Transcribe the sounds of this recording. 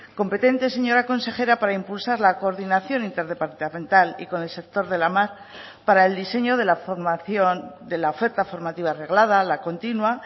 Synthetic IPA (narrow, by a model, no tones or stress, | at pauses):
ko̞mpe̞t̪e̞nt̪e̞se̞ɲo̞ɾako̞nse̞xe̞ɾapaɾaimpulsaɾlako̞ːɾðinaθjo̞nint̪e̞ɾðe̞paɾt̪amẽ̞nt̪alḭko̞nelse̞k̚t̪o̞ɾðe̞lamaɾ | paɾaeld̪ise̞ɲo̞ðe̞lafomaθjond̪e̞lao̞fe̞ɾt̪afo̞ɾmat̪iβaːre̞ɣlaðalako̞nt̪inwa